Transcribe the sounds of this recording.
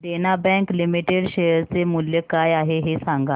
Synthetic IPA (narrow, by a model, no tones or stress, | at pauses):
denabɛ̃ŋklimiʈeɽʃejəɾt͡semʊljəkaːjaɦeɦesãŋɡa